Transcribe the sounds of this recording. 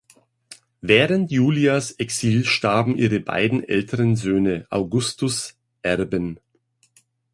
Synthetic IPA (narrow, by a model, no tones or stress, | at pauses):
vɛːʁəntjuːliasɛksiːlʃtaɐbm̩ʔiːʁəba̰ɪdn̩ʔɛ̰ltʰəʁənzøːnəʔa̰ʊɡʊstʊs | ʔɛʁbən